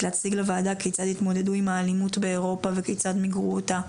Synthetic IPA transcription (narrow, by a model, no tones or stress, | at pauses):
lehat͡siɡlevaːdakejt͡sad̪it̪mo̞d̪e̞duimaːlimut̪be̞eʁo̞pavekejt͡sad̪miɡʁuota